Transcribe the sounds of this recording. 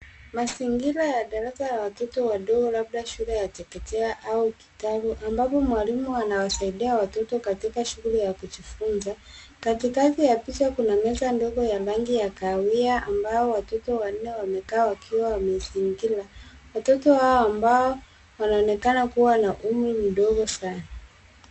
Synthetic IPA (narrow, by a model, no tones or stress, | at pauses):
masiŋɡilajaɗaɾasajawatɔtɔwaɗɔɡɔlab̚daʃulɛjatɛkɛtɛaʔauki̥tabuʔambapɔmwalimuanawasaiɗiawatɔtɔkatikaʃuɣulijakud͡ʒifunza | katikaθijapiʃakunamɛsandɔɡɔjalaŋɡijakawiaʔambaɔwatɔtɔwan̩nɛwamɛkaːwakʰiwawamɛziŋɡilawatɔtɔhaɔambaɔ | wanaɔnɛkanakuwanaʔum̩ɾim̩ɗɔɡɔsana